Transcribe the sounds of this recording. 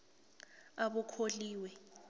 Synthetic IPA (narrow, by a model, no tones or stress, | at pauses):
aɓɔkʰoliːwɛ